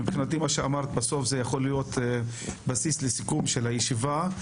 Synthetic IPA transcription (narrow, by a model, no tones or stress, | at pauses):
ipχinat̪imaʃeamaʁt̪baso̞fzejaχo̞lijo̞t̪ | basislesikumʃelhajeʃiva